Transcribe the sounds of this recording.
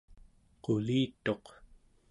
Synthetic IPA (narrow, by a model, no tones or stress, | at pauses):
qoliːt̪o̞q